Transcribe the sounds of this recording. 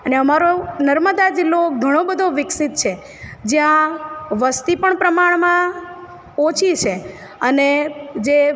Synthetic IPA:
əneəmaɾonəɾməd̪ad͡ʒɪlːoɡʱəɽ̃õbəd̪ʱoʋɪksit̪̚t͡ʃʰe | d͡ʒjãʋəst̪ipəɳpɾəmaɳmã | ot͡ʃʰit͡ʃʰe | əned͡ʒe

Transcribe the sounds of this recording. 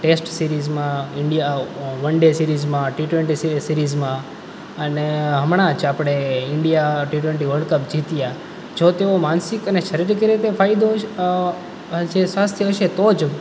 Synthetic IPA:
ʈesʈsiɾizmãɪɳɖijaʋənɖesiɾizmãʈiʈweɳʈissiɾizmã | əneɦəmɽ̃ãt͡ʃapɽ̃eɪɳɖijaʈiʈweɳʈiʋəɾɖkəpd͡ʒit̪ija | d͡ʒot̪eomansikəneʃəɾiɾkəɾet̪efʰajd̪o | d͡ʒesʋast̪ʰjəɦəʃet̪od͡ʒ

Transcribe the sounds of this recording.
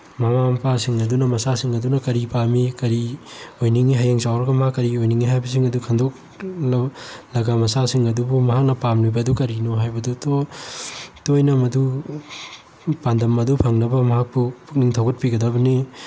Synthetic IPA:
mamampasiŋɐdunɐmɐsasiŋɐdunɐkɐɾipamikɐɾiojniŋiɦajaŋsawɾɐɡɐmɦakːɐɾiojniŋiɦajbɐs̬iŋɐdukʰɐndok̚ | lɐlɐɡamɐsasiŋɐdubumɐɦak̚nɐpamlujbɐdukɐɾinoɦajbɐduto | tojnɐmɐdu | pandɐmɐdupʰɐŋnɐbɐmɐɦak̚pupʰuk̚niŋtʰɐwɡɐt̚piɡɐdɐbɐni

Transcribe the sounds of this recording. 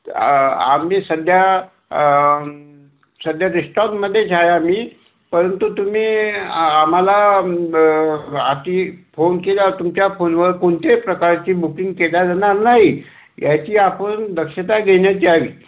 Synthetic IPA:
a̰misəd̪ʱja | səd̪ʱjaɾisʈanməd̪ʱːjet͡ɕʰajam̤iː | pəɾənt̪ut̪um̤iːam̤ala | at̪ifonkeljat̪umt͡ɕjafonʋəɾkoɳt̪epɾəkaɾt͡ɕiːbukiŋɡkeljad͡zañaɾnaɦi | jat͡ɕiːapənd̪əkʂət̪aɡʱeɳjat͡ɕiːaʋiː

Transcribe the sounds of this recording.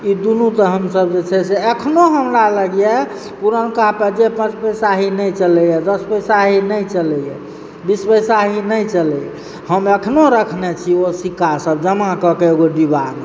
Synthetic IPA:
id̪unut̪ɔɦəmsəbd͡ʒet͡ʃʰɛseəkʰnoɦəmɾaləɡje | puɾənkapəd͡ʒepə̃t͡ʃpəjsaɦinəjt͡ʃəlɛjɛd̪əspəjsaɦinəjt͡ʃələjɛ | bispəjsaɦinəjt͡ʃəlɛjɛ | həməkʰnoɾəkʰnet͡ʃʰiosikasəb̚d͡ʒəmãkəkeeɡoɖiban

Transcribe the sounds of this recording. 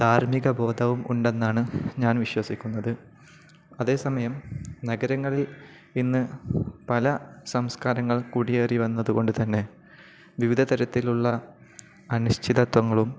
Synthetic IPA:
d̪̥ʱaːrmiɣɐbo̞ːd̪ʱɐʋumṵɳɖe̞nːaːɳɨɲaːnʋiɕwɐsikʲːunːɐðɨ | ɐðe̞ːsɐmɐjɐmnɐɡɐɾɐŋːɐɭil | inːɨpɐlɐsɐmskaːɾɐŋːɐɭkuɽijeːriʋɐnːɐðuɣo̞ɳɖɨt̪ɐnːe̞ | ʋiʋid̪ʱɐt̪ɐɾɐt̪ːiluɭːɐ | ɐnuɕtʰiðɐt̪wɐŋːɐɭum

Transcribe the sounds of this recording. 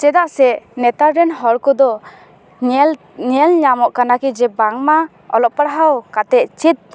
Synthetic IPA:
t͡ʃɛd̪aʔsɛʔnɛt̪aɾɛnɦɔɾkɔd̪ɔ | ɲɛlɲamɔʔkanakid͡ʒɛbaŋma | ɔlɔʔ̚paɽɦawkat̪ɛʔt͡ʃit̪̚

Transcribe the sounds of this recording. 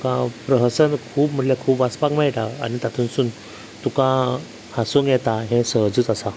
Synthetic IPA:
kãpɾəɦəsənkʰuːpm̤əʈljakʰuːbaspakmajʈ̪aa̰nit̪at̪ʰuːnsuːn | t̪ukã | hasunjɛt̪aɦẽsəɦd͡zuːt͡sasa

